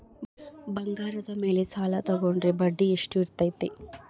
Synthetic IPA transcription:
bɐŋɡaːɾɐd̪ɐme̞ːlesaːlat̪ɐɡoɳɖɾebɐɖːieʂʈuiɾt̪ːɐjt̪ːe

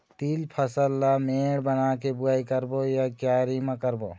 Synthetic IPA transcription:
t̪ilpʰəsəlːameɽbənakebuajkəɾbojakjaɾimakəɾbo

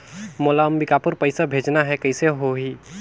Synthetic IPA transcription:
moːlaəmbikapʊɾpəɪsabʱeːd͡ʒnaɦɛkɐɪseɦoɦi

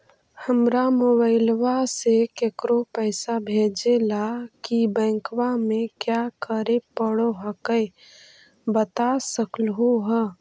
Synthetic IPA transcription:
həmɾamoːβaɪlwasekekɾopəɪsabʱeːd͡ʒelakibɛ̃ːŋkwamẽkjakəɾepəɽoɦəkəɪ | bət̪asəklɦoɦə

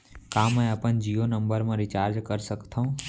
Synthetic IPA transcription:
kaːmɛ̃əpənd͡ʒijonə̃mbəɾmãɾɪt͡ʃaːɾd͡ʒkəɾsəkt̪ʰaũː

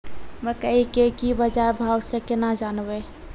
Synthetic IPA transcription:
məkəɦikekibəd͡ʒaɾbʱawsẽkenad͡ʒanbe

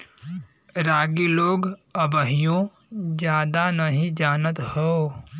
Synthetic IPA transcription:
ɾaːɡiloːɡəbəɦijõ | d͡ʒjaːd̪anəɦĩd͡ʒaːnət̪hoː

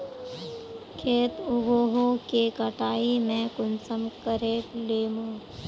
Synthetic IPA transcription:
kʰeːt̪ʊɡoːɦokekəʈaːimɛ̃kʊnsəmkəɾeːleːmõː

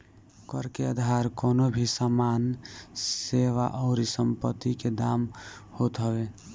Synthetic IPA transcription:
kəɾkeəd̪ʱaɾkonobʱisəmanseʋa̰ʔɔʊɾisəmpət̪ːiked̪amhot̪ɦəbe

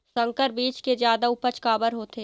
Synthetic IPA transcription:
sə̃ŋkəɾbiːt͡ʃked͡ʒjaːd̪aʊpət͡ʃkaːbəɾɦoːt̪eː

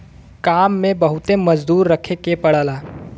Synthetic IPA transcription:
kaːmːebəɦut̪eməd͡ʒd̪uːɾːəkʰekepɐɽaːlaː

